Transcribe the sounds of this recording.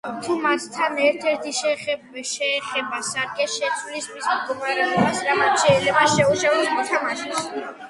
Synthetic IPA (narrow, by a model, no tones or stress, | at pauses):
t̪ʰumast̪ʰanɛɾt̪ʰɛɾt̪ʰiʃɛ | ʃɛːχɛbasaɾɡɛʃɛt̪sʰwlist̪ʰwismd̪ɡɔmaɾɛɔbasɾamat̪ʃɛilɛbaʃɛuʃavɛsmɔt̪ʰamaʃɛs